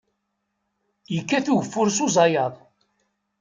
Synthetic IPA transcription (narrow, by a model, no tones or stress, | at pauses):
jəkːæθuʝəfːʊɾsuzˤɑjɑðˤ